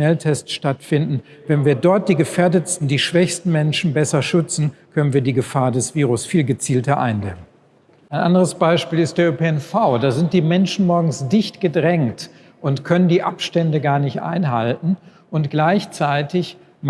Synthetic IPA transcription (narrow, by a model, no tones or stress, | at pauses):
ɛltʰɛstʃtatfɪndn̩vɛnviːɐdɔɐt̚d̥iːɡəfeːɐdətstn̩diːʃv̥ɛçstn̩mɛnʃn̩bɛsɐʃʏt͡sn̩kʰœnənviːɐdiːɡəfaːɐdɛsv̥iːʁ̞ʊsfiːlɡət͡siːltɐʔa̰ɪndɛ̰mən | ʔaɪnʔa̰ndəʁəsb̥aɪʃpiːlɪst̚d̥eːɐøpeɛnfaʊdaːzɪnt̚d̥iːmɛnʃn̩mɔɐɡŋ̩sd̥ɪçtɡ̥ədʁɛŋt | ʔʊntkʰœnəndiːʔa̰pʃtɛndəɡaːɐnɪçtʔa̰ɪnɦaltn̩ | ʔʊntɡ̥laɪçt͡saɪtɪç | m